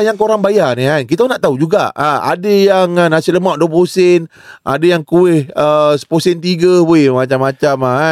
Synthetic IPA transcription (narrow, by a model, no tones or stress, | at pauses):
jaŋkoɾaŋbajaniɦankit̪anaʔt̪aud͡ʒuɡa̰ʔaa̰dəjaŋanasiləmaʔduəp̬osɪn | ʔa̰dəjaŋkuɪhəsə̥posɛnt̪iɡəbuimat͡ʃamːat͡ʃama